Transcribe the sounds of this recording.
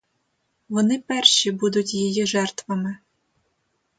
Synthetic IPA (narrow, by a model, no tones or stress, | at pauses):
ʋɔnɪpɛrʃibud̪ʊtʲjijiʒɛrt̪ʋɐmɪ